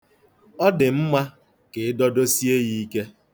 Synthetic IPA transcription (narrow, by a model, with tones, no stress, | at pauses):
ɔ˦dɪ˨m̩˦ma˦ | ke˨ɪ˦dɔ˦do˦si˦e˦ɣi˦ke˦